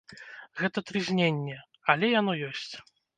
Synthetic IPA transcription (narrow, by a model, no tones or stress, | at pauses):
ɣɛt̪ɐt̪ɾɨzʲnʲenʲːɛ | ɐlʲɛjanɔjɔsʲt͡sʲ